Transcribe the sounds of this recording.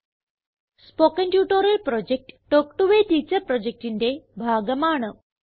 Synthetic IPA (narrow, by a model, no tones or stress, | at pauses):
spokənʈjuːʈoɾɐlpɾod͡ʑek̚ʈːokʈuʋeʈ̪iːt͡ɕəɾpɾod͡ʑek̚ʈind̪ebʱaːɡəmaːɳəʋ